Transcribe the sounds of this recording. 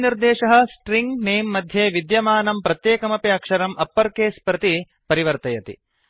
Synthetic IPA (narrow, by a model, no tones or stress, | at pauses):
niɾd̪eːʃɐɦɐ̆sʈɾiŋɡneːmːɐd̪ʱjeːʋid̪jɐmaːnɐmpɾɐt̪jeːkɐmɐpiɐkʂɐɾɐmʔɐpːɐɾkeːspɾɐt̪i | pɐɾiʋɐɾt̪ɐjɐt̪ḭ